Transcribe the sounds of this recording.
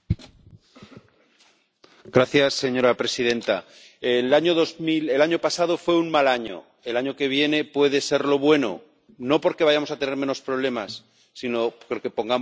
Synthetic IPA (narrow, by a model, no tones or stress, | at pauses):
ɡɾaθjasːe̞ɲo̞ɾapɾe̞siðẽ̞nt̪a | elaɲoðozmile̞laɲo̞pasað̞o̞fwe̞uŋmalaɲo̰ | elaɲoke̞β̞je̞ne̞pwe̞ðe̞se̞ɾlo̞β̞we̞no̞̰ | no̞po̞ɾke̞βaʝamosat̪e̞ne̞ɾmẽ̞no̞spɾo̞β̞le̞masː | ino̞poɾke̞po̞ŋɡa